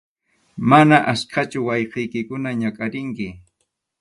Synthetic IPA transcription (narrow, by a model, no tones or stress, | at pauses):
manaʔaskʰat͡ʃʊwɑjqejkɪkʊnaɲakʼaɾɪŋkɪ